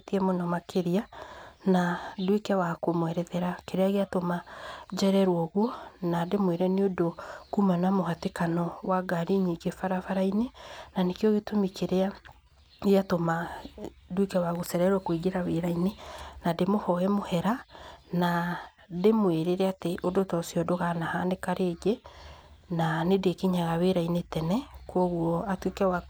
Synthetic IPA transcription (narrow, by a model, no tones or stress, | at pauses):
tiɛmonɔmakʰeɾianadwekɛwakomwɛɾɛðɛɾakeɾeaɣeatomad͡ʒɛɾɛɾwɔɣwɔnademweɾɛneodokumanamoɦatekanɔwaɡaɾiɲiŋɡefaɾafaɾainenanekjɔɣetomikʰeɾea | eatoma | dwekɛwaɣosɛɾɛɾwakweɡeɾaweɾainenademohɔɛmohɛɾana | demweɾeɾɛateʔodotɔsiɔdoɣanahanekaɾʔeːd͡ʒe | nanedekeɲaɣaweɾainetɛnɛkɔɣuɔatwekɛwa